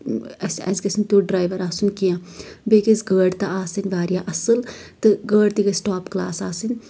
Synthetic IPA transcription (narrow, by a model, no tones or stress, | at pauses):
ɐsɐ̰skɐsmt̪uɖɾaːjʋɐɾaːsunkijãbekizɡəːɖt̪ɐaːsɨnʲbaːɾijaʔɐsɨlt̪ɨɡəːɖt̪iɡɐsʈaːpklaːsaːsɨnʲ